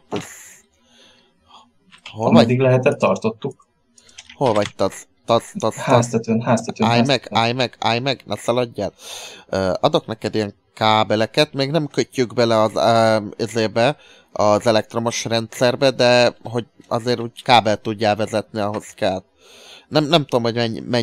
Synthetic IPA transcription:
z | holɒd̪iɡlɛɦɛt̪ɛt̪ːɒrt̪o̞t̪ːuk | holvɒct̪ɒzt̪ɒzɒzhaːst̪ɛt̪ønhaːst̪ɛt̪øajmɛkaːjmɛkʰa̰ːjmɛknɛsɒlɒɟːaːløːɒd̪o̞knɛkɛd̪ijɛŋ | kaːbɛlɛkɛt̪meːɡnɛmkøcːyɡbɛlɛɒzezeːbɛ | ɒzɛlɛk̚t̪ro̞mo̞ʃrɛnt̪sɛrbɛd̪ɛɦo̞ɟɒzeːɾuːɟkaːbɛlt̪uɟːaːlvɛzɛt̪niɒɦo̞skɛl | nɛmnɛmt̪uomho̞ɟmɛɲmɛɲ

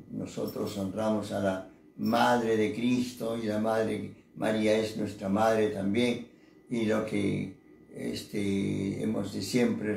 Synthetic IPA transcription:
noso̞̰t̪ɾosonramo̞sala | maðɾeðekɾist̪o̞ilamaðɾe | mʔa̰ɾiaeznwest̪ɾamaðɾet̪ambjeŋ | ilo̞kḛ | ḛst̪eḛmo̰zðesjempɾe

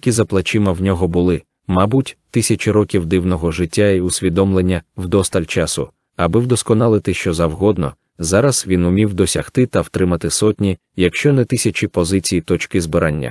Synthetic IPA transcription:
jɐkʲizɐplˠɐt͡ʃɪmɐwnʲɔɦɔbʊlˠɪ | mɑbutʲt̪ɪsʲɐt͡ʃiɾɔkʲiwd̪ɪwnɔɦɔʒɪtʲːaiʊsʲʋʲid̪ɔmlˠenʲːɐwd̪ɔst̪ɐlʲt͡ʃasʊ̰ | ɐbɪwd̪ɔskɔnɑlˠɪt̪ɪʃt͡ʃɔzɐwɦɔd̪nɔ̰ | zɑɾɐsʋʲinʊmʲiwd̪ɔsʲɐxt̪ɪt̪ɐwt̪ɾɪmɐt̪ɪsɔtʲnʲi | jɐkʃt͡ʃɔnɛt̪ɪsʲɐt͡ʃipɔzɪt͡sʲijit̪ɔt͡ʃkɪzbɪɾʔanʲːɐ̰

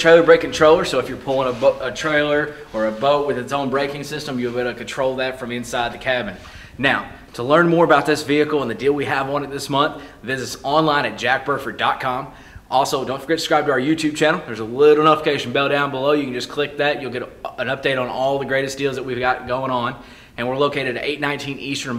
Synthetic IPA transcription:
tʰɹ̥eɪlˠə˞bɹeɪkŋ̩ntʰɹ̥oʊlˠə˞soʊɨfjə˞pʰʊlˠɪ̃ŋəbətʰɹ̥eɪlˠə˞ə˞ɨboʊt̚wɨðɨtsõʊ̃nbɹeɪkɪ̃ŋsɪstə̃mjɨɡɛɾɨkn̩tʰɹ̥oʊlˠðɨtfɹʌ̃mɪ̃nsaɪd̪̚ðɨkʰæbɨ̃nː | aʊ | tʰəlɜ̃˞nmɔɹəbaʊt̪̚ðɪsviɨkl̩ˠə̃nðɨdilˠwiəvn̩ɨt̪̚ðɪsmʌ̃nθvɪzɨtsɑ̃nlãɪ̃ñɨt̚d̥ʒ̥æk̚b̥ɜ˞fə˞dɑt̚kʰɑ̃m | ʔɔlˠsoʊdõʊ̃ntfə˞ɡɛtskɹaɪb̚tʰɨaə˞jʉtʰʉb̚t͡ʃʰæ̃nl̩ˠðə˞zəlɪɾl̩ˠə̃nʌfkʰeɪʃn̩bɛlˠdãʊ̃nbəloʊjɨkɨnd͡ʒʌskʰl̥ɪk̚ðɨʔ̚jɨlˠɡɛɾə̃nʌp̚d̥eɪɾn̩ɔlˠðɨɡɹeɪɾɨsd̥ilˠzðət̚wivɡɑt̚ɡ̥oʊɪ̃ŋə̃n | ɨ̃nwɪɹloʊkʰeɪɾɨdɨeɪtⁿnãɪ̃ntʰĩnistə̃˞

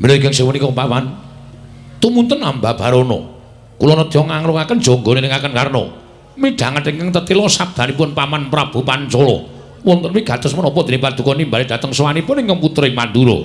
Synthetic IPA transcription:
miloiɡɛŋseŋmənikɔpapan | t̪umunt̪ənambab̥a̤ɾonɔ̰ | kulɔnɔd̪̥iɔŋaŋɾʊkakən̥d͡ʒ̥oŋɡonenɪŋakənkarnɔ̰ | miɖ̥a̤ŋət̪iŋkəŋt̪ət̪ilɔsab̚d̪̥a̤nip̬ʊnpamanpɾab̥ṳpant͡ʃɔlɔ̰ | wɔnt̪ənwiɡ̥a̤t̪ɔsmənɔpɔd̪̥i̤nipad̪̥ṳkɔnimbaled̥̪a̤t̪əŋswanipʊnɪŋkəŋput̪ɾimand̪uɾo̰

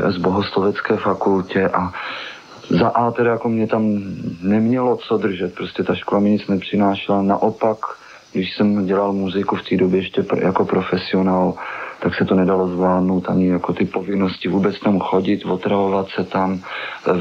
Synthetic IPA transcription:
zboɦoslovɛt͡skɛːfakulcɛʔa | zaʔaːt̪ɛɾajakomɲɛt̪amnɛmɲɛlo̞t͡sod̪r̩ʒɛt̪̚pɾoscɛt̪aʃkolamɪɲɪt͡snɛpr̝̥ɪnaːʃlana̰ʔopak | ɡdɪʃsɛmɟɛlalmuzɪkuft̪iːdobjɛjɛʃcɛjako̞pɾo̞fɛsɪo̞naːlt̪aksɛt̪onɛdalozvlaːdnowt̪ʔaɲɪjakot̪ɪpovɪnoscɪvuːbɛt͡st̪amxo̞ɟɪt̪vot̪ɾavovat̪sɛt̪am

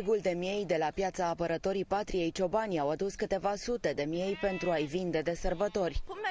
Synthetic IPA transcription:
ɡuld̪e̞mje̞jd̪e̞lapjat̪saːpəɾət̪o̞ɾipat̪ɾije̞jt͡ʃo̞banʲawad̪uskɨt̪e̞vasut̪e̞d̪e̞mje̞jpe̞nt̪ɾuajvind̪e̞d̪e̞sərbət̪o̞rʲ

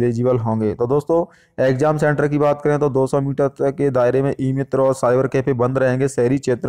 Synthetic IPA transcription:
leːd͡ʒɪbəlɦõːŋɡeːt̪od̪oːst̪õː | eːkzaːmsɛ̃ːɳʈəɾkibaːt̪kəɾẽt̪od̪oːsɔmiːʈəɾked̪aːɪɾemẽʔiːmɪt̪ɾɔːɾsaːɪbəɾkepʰebə̃nd̪ɾɐɦẽːŋɡesɛɦɾikʃʰeːt̪ɾ

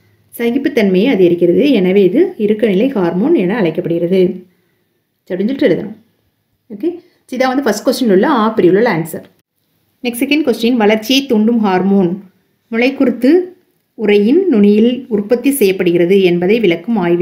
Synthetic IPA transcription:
sɐɡɪpːɯt̪ːɐnmɐjɐɐðɯɪɾɯkːɪɾɐðɯɛnɐʋeːɪðɯɪɾɯkːɐnɪlɐɪhaːɾmoːnɛnɐːɭɐɪkːɐpːɐɽɯɣɪrɐðɯ | t͡ʃɐɽɪɲd͡ʒɪlʈrɛɾɯðɐ̰nɐ̰̃m | oːke | t͡ʃiðãːʋɐnd̪ɯfɐsʈ̚kʋɐsʈɐnlɯɭːɐaːpɪɾɪjɯɭːɐlaːnsɐɾ | nɛkssɛkɐɳɖkʋɐsʈɪjɪnʋɐɭɐɾt͡ʃːɪjɐɪt̪ːuɳɖɯmɦaːɾmoːn | mʊɭɐɪkːʊɾɯt̪ːɯ | ʊrɐjɪnnʊɳɪjɪlʊrpːɐt̪ːisɛjːɐpːɐɽɯɣɪɾɐðɯɛnbɐðɐɪʋɪɭɐkːɯmaːjʋɯ

